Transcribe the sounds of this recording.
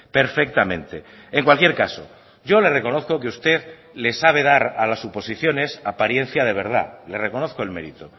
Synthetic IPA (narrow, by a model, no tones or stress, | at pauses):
pe̞ɾfe̞k̚t̪amẽ̞nt̪e | eŋkwalkje̞ɾkaso̞̰ | ɟ͡ʝo̞le̞re̞ko̞no̞θko̞keust̪e̞ð | le̞saβ̞e̞ðaɾalasupo̞siθjo̞ne̞sapaɾje̞n̟θjað̞e̞β̞e̞ɾð̞a̰le̞reko̞no̞θko̞elme̞ɾit̪o